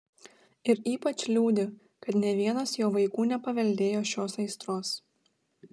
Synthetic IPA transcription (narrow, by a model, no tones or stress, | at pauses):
ɪɾiːpɐt͡ʃʲlʲuːd̪ʲɪ | kɐt̪nʲɛʋʲiɛnɐsjoːʋɐɪkuːnʲɛpɐʋʲɛlʲd̪ʲeːjoːʃʲoːsɐɪst̪ɾoːs